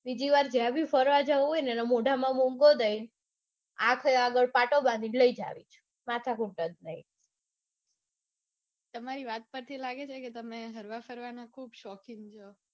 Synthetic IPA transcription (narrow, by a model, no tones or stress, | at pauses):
bid͡ʒiʋaɾd͡ʒjabʱifəɾʋad͡ʒaojnɛnɛmoɖʱamãmõŋɡod̪əjn | akʰeaɡəɭpaʈobãnd̪iləid͡ʒa̰ʋḭt͡ʃʰe̥ | mat̪ʰakuɳʈəd̪̚nəɦi | t̪əmaɾiʋat̪̚pəɾt̪ʰilaɡet͡ʃʰeket̪əmeɦəɾʋafəɾʋanakʰuːbʃɔkiŋɡt͡ʃʰo